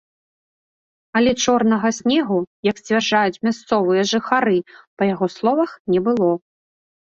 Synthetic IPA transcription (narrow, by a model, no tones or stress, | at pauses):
ɐlʲɛt͡ʂɔrnɐɣɐsʲnʲɛɣujɐksʲt͡sʲvʲarʐajut͡sʲmʲast̪sɔvɨjɛʐɨxaɾɨpɐjaɣɔslˠɔvɐxnʲɛbɨlˠɔ